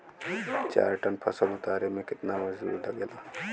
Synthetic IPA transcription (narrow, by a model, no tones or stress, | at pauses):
t͡ʃa̰ːɾʈənpʰɐsəlʊt̪aːɾemẽkɪt̪naməzṵːɾɖəɡelaː